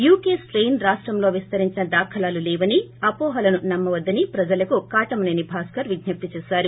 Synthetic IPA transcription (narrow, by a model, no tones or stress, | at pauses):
juːkeːsɾejnɾaːʂʈɾɐmlo̞ːʋist̪ɐɾiɲt͡ʃinɐd̪aːkʰɐlaːlulɛːʋɐniɐpoːɦɐlɐnunɐmːɐʋɐd̪ːɐnipɾɐd͡ʒɐlɐkukaːʈɐmneːnibʱaːskɐɾʋiɡ̪ɲɐp̚t̪it͡ʃɛːsaːɾu